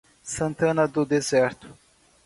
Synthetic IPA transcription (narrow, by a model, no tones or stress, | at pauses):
sɐ̃nt̪ɐ̃nɐd̪ʊd̪ezɛɾt̪ʊ̥